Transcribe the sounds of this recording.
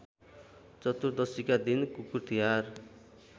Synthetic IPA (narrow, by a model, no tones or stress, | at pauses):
t͡sʌt̪uɾd̪ʌsikad̪inkukurt̪iɦar